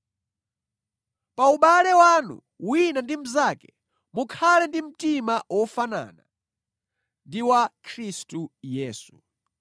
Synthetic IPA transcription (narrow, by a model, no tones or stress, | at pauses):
pauɓalɛwanṵ | winandim̩zakɛ̥ | mukʰalɛndim̩timawʔɔfana̰na | ndiwakʰɾistujɛːsu̥